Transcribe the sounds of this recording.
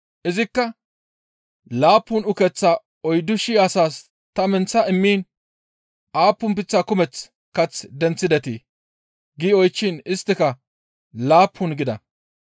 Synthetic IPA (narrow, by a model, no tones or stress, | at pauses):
ʔɪzɪkːɐ | laːpːʊnʊkɛt͡sːa | ɔjd̪ʊʃɪjːsaːs | t̪ɐmɛnt͡sːɐɪmːiːn | aːpːʊmpɪt͡sːaːkʊmɛt͡s | kɐt͡sd̪ɛnt͡sːɪd̪ɛt̪iː | ɡiːɔjt͡ʃːɪnɪst̪ːɪkɐ | laːpːʊnɡɪd̪ɐ̰